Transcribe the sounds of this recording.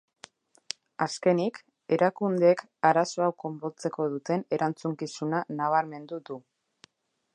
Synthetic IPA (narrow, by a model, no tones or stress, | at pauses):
aske̞nik | e̞ɾʔakund̪ek | aɾaso̞awko̞mbo̞t͡se̞ko̞ð̞ut̪e̞ne̞ɾʔant͡suŋkisunanaβ̞aɾme̞nd̪uðu